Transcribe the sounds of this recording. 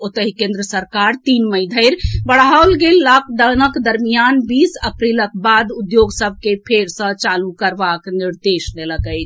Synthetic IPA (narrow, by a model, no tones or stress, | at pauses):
ot̪əɦikẽnd̪ɾəsəɾkaɾt̪inməjd̪ʱəɪɾbəɽaolɡelːak̚ʰd̪ənəkd̪əɾmijanbisəpɾilək̚bad̪ud̪joɡsəb̚ʱkepʰeɾsə̃t͡ʃalukəɾbakniɾd̪esleləkəɪt͡ʃʰ